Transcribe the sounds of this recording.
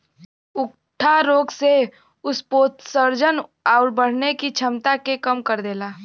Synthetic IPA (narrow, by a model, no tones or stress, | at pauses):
ʊk | ʈʰaɾoːɡse | ʊspoːt̪səɾd͡ʒənaːʊɾbəɽ̤nekit͡ʃʰɐmt̪akekəmkəɾd̪eːlaː